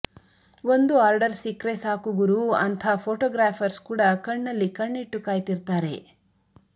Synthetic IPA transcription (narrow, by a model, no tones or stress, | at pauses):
o̞nd̪uaːɾɖɐɾsikɾesaːkuɡuɾuɐnt̪ʰapʰoːʈɔːɡɾaːpʰɐɾskuːɽɐkɐɳːɐlːikɐɳːiʈːukaːjt̪iɾt̪aːɾe̞̰